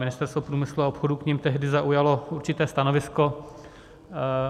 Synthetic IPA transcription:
mɪnɪst̪ɛɾst̪vopɾuːmɪsluaopxodukɲimt̪ɛɦdɪzaʔujalo̞uɾt͡ʃɪt̪ɛːst̪anovɪsko̞

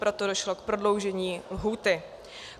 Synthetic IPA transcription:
pɾo̞t̪odoʃlokpɾo̞dlo̞wʒɛɲiːɦuːt̪ɪ

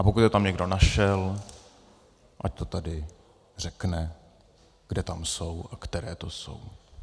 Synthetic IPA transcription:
ʔapokut̪jɛt̪amɲɛɡdo̞naʃɛl | ʔac̚t̪o̞t̪adɪ | r̝ɛknɛ | ɡ̥dɛt̪amso̞wʔakt̪ɛɾɛːt̪o̞so̞̰w

